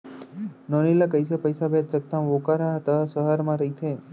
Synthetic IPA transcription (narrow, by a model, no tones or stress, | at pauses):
nɔnilakəjs̬apəjsabet̪̚t͡ʃək̚t̪amʋokaɾaɦət̪asəɦəɾmãɾəɦit̪ʰe